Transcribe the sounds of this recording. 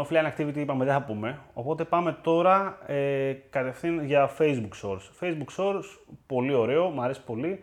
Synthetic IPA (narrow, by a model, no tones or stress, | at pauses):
ofilɐnɐk̚t̪ivit̪iipɐmeðeθɐpume̞o̞̰po̞t̪e̞pɐme̞t̪o̞ɾɐekɐt̪e̞fθinʝɐfe̞jzbukso̞ɾsfe̞jzbukso̞ɾspo̞lio̞ɾe̞o̞mɐɾe̞si̥po̞li